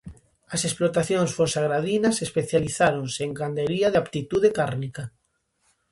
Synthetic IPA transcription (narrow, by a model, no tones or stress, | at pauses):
ɐsesplot̪aθjõŋsfonsaɣɾaðinasespeθjaliθaɾõnseŋkand̪eɾiaðeapt̪it̪uð̞ekaɾnika